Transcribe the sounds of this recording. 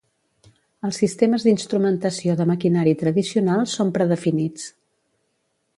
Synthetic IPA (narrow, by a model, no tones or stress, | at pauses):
əlˠsːist̪eməzd̪inst̪ɾumənt̪əsioðəməkinaɾit̪ɾəðisiunalˠsompɾəðəfinit͡s